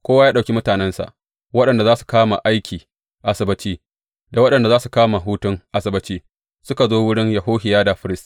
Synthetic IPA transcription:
kʷoː˦wa˦jaː˦ɗa˨kʲi˦mʊ˦taː˨nɛ˦nsa̰˨ʔ | wɐ˦ɗɐ˨nda˨zaː˦su̥˨kaː˦ma̰˨ʔa˦jkʲiː˨ | ʔa˨sɪ˨bɪ˦t͡ʃiː˦ | da˨wɐ˦ɗɐ˨nda˨zaː˦su˨kaː˦ma˨ɦuː˦tʊ˦ŋʔa˨sɪ˨bɐ˦t͡ʃiː˦ | sʊ˦ka˨zoː˦wʊ˦ɽɪ˦ɲjɐ˨ɦoː˦ɦɪ˨jaː˦da˨ɸɪ˦ɾɪ˦st

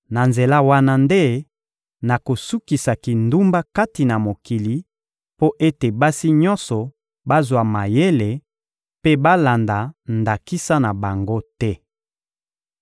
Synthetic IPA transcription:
na˨nze˨la˦wa˦na˦nde˦ | na˨ko˨su˦ki˨sa˨ki˨ndu˦mba˦ka˦ti˨na˨mo˨ki˨li˨ | po˦ʔe˦te˨ba˦si˦ɲɔ̃˦nsɔ˨ | ba˦zwa˨ma˨je˦le˨ | pe˦ba˦la˨nda˨nda˨ki˦sa˦na˨ba˨ŋɡo˦tɛ˦

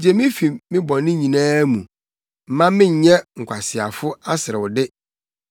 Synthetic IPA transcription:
d͡ʑɛ˨mɪ̃˦fi˨mɪ̃˦bɔ̃˨nɪ̃˦ɲĩ˨nãː˦mũ˨ | m̩˨mã˦mɪ̃˦ɲ˨ɲɛ̃˦ŋ̩˨kʷʰa˨sɪ˨a˨fʊ˦a˦sɪ˨ɾɪ˨wʊ˨dɪ˦

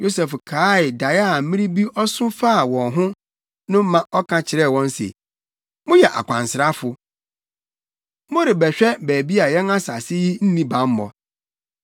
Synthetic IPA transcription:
jo˦sɛ˨fkʰaː˨˦ɪ˨da˨ja˦a˨m̩˦mĩ˦ɾĩ˦bi˦ʔɔ˦sʊ̃˦fa˦˨wɔ̃˨nɦʊ̃˦ | nʊ̃˦m̩˦mã˦ʔɔ˦kʰã˦t͡ɕʰɪ˨ɾɛ˦˨wɔ̃˦n˦sḛ˨ | mʊ̃˦jɛ˨ʔa̰˨kʷʰã˨nsɪ˨ɾa˦fʊ˨ | mʊ̃˦ɾɪ˨bɛ˨ɕᶣɛ˦bæː˨bi˦a˨jɛ̃˦na˦sa˨sɪ˦ji˦n̩˦nĩ˦bã˨m˦mɔ̰˨

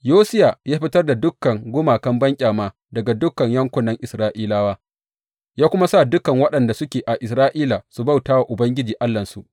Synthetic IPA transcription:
joː˦sɪ˦ja˨jaː˦ɸɪ˦tɐ˦rda˨dʊ˦kːɐ˨ŋɡʷʊ˦maː˨kɐ˦mbɐ˦ŋkʲʼaː˨maː˦ | dɐ˨ɡa˨dʊ˦kːɐ˨ɲjɐ˦ŋkʷʊ˦nːɐ˦ŋʔɪ˨sɾaː˦ʔiː˦laː˦waː˦ | jaː˦kʷʊ˦ma˦sa˦˨dʊ˦kɐ˨ŋwɐ˦ɗɐ˨nda˨sʊ˦kʲeː˨ʔa˨ʔɪ˨sɾaː˦ʔiː˦la˨su˨ba˦˨wtaː˦wa˨ʔʊ˨bɐ˦ŋɡʲɪ˦d͡ʒiː˨ʔa˦lːɐ˨nsu˨ʔ

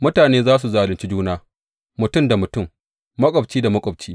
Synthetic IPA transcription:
mʊ˦taː˨neː˦zaː˦s̬u˨zaː˨lɪ˨nt͡ʃi˦d͡ʒuː˦naː˦ | mʊ˨tʊ˦mda˨mʊ˨tʊ˦˨m | mɐ˦kʷʼɔ˨bt͡ʃiː˦da˨mɐ˦kʷʼɔ˨b̚t͡ʃiː˦

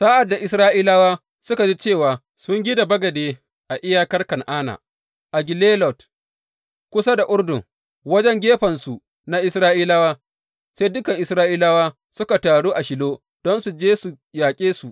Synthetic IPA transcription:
saː˦ʔa˨dːa˨ʔɪ˨sɾaː˦ʔiː˦la˦waː˦ | sʊ˦ka˨d͡ʒi˦t͡ʃeː˦˨waː˨ | sʊ˦ŋɡʲiɪ˦da˨bɐ˦ɡɐ˨deː˦ | ʔa˨ʔɪ˦jaː˦kɐ˦rkɐ˨ŋʔaː˦na̰ː˨ | ʔa˨ɡʲɪ˨leː˦lɔ˨t | kʷʊ˦sa˦da˨ʔʊ˦ɽdʊ˨ŋ | wɐ˦d͡ʒɛ˦ŋɡʲeː˦ɸɐ˨nsu˨ | na˦ʔɪ˨sɾaː˦ʔiː˦la˦waː˦ | se˦dʊ˦kɐ˨ŋʔɪ˨sɾaː˦ʔiː˦la˦waː˦ | sʊ˦ka˨taː˨ɽuː˦ʔa˨ʃɪ˨loː˦ | d̥ɔ˦nsu˨d͡ʒeː˦su˨ | jaː˨kʲʼeː˦su˨ʔ

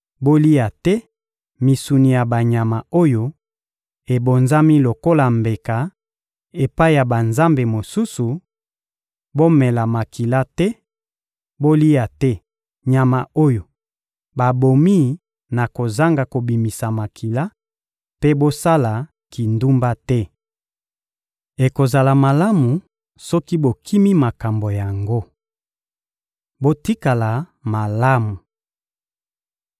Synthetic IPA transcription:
bo˦li˦a˨tɛ˦ | mi˨su˨ni˨ja˨ba˨ɲa˨ma˨o˦jo˦ | e˨bo˨nza˦mi˦lo˨ko˦la˨mbe˨ka˨ | e˨pa˦i˦˨ja˨ba˨nza˦mbe˨mo˨su˦su˨ | bo˦mɛ˨la˨ma˨kʰi˨la˦tɛ˦ | bo˦li˦a˨tɛ˦ | ɲa˨ma˨o˦jo˨ | ba˨bo˨mi˦ | na˨ko˨za˦ŋɡa˨ko˨bi˨mi˨sa˨ma˨kʰi˨la˦ | pe˦bo˦sa˦la˨ | ki˨ndu˦mba˦tɛ˦ | e˨ko˨za˨la˨ma˨la˦mu˨ | sɔ˦ki˦bo˨kʰi˦mi˦ma˨ka˨mbo˨ja˨ŋɡo˦ | bo˦ti˦ka˨la˨ | ma˨la˦mu˨

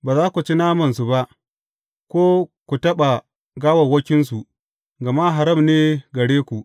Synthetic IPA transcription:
baː˨zaː˦kʷu˨t͡ʃi˦naː˦mɐ˨ns̬u˨ba˦ʔ | kʷoː˦kʷu˨tɐ˦ɓa˨ | ɡaː˦wɐ˨wɐ˦kʲɪ˦ns̬u˨ | ɡɐ˨ma˦ɦa˨ɾɐ˦˨mneː˦ɡɐ˨ɽeː˦kʷu˨ʔ

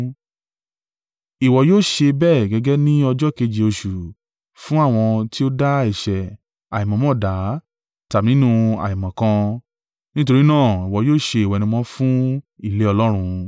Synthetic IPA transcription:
i˨wɔ˨joː˦˨ʃe˧bɛ˦˨ɡɛ˧ɡɛ˦nĩ˦ɔ˧d͡ʒɔ˦ke˧d͡ʒi˨o˧ʃu˨ | fũ˦a˦˨w̃ɔ̃˧ti˦o˦da˦i˦˨ʃɛ˨ | a˨i˨mɔ̃˨mɔ̃˦˨da˨˦ | ta˨nĩ˦nũ˦˧a̰˨i˨mã˨kã˧ | nĩ˦to˧ɾi˦nãː˦˨i˨wɔ˨joː˦˨ʃe˧i˨wɔ˨nĩ˧mɔ̃˧˦fũ˦i˦˨le˨˦ɔ˧lɔ˦ɾ̃ũ˧

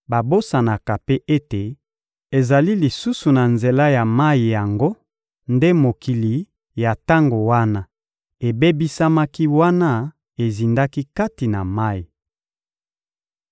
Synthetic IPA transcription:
ba˨bo˦sa˨na˨ka˨pe˦ʔe˦te˨ | e˨za˨li˦li˨su˦su˨na˨nze˨la˦ja˨ma˦ji˨ja˨ŋɡo˦ | nde˦mo˨ki˨li˨ | ja˨ta˦ŋɡo˨wa˦na˦ | e˨be˦bi˦sa˦ma˦ki˦wa˦na˦ | e˨zi˨nda˦ki˦ka˦ti˨na˨ma˦ji˨

